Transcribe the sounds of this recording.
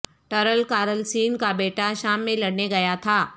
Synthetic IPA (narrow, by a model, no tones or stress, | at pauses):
ʈəɾəlkaːɾəlsiːnkabeːʈaʃaːmːẽlɐɽneɡɐjat̪ʰaː